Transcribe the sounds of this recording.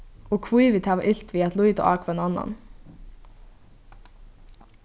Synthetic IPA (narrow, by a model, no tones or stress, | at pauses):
oːkʰʋʊiːʋɪt̪ʰæːʋɑʔɪlt̪ʰʋiːɑt̪lʊjt̪o̰ːʔɑ̰ːkʰʋɛnɑnɑ̰n